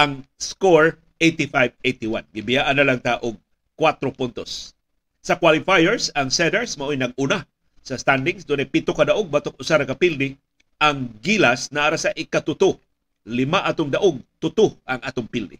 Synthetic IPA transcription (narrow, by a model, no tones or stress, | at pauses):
ʔaŋskoɹ | ʔejt̪ifajvejt̪iwanɡɪbɪjaʔanɐlaŋt̪aʔʊɡ̚ | kwat̪ɾopʊnt̪osː | ɐkwalɪfajɛɹsɐŋsɛd̪ɛɹsmaʔojnɐɡ̚ʊna | sɐst̪and̪ɪŋsd̪ʊnt̪ɛpɪt̪okɐd̪aʔoɡ̚bat̪ok̚ʔʊsaɾakɐpild̪ɪ | ʔaŋɡilasnaʔaɾasaʔɪkat̪ʊt̪o | lɪmaʔat̪ʊŋd̪ɐʔoɡ̚t̪ʊt̪oʔɐŋʔat̪ʊŋpild̪ɪ̰